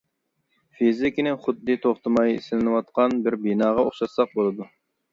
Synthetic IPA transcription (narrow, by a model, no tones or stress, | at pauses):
fizɪkʲinɪχʊd̪ːɨt̪ʰoχt̪ɨmɑjḭsɪlɪnɨwɑt̪̚qɑnbɪɾbinɑːʁɑoχʃɑt̪sɑq̚bolˠɨd̪u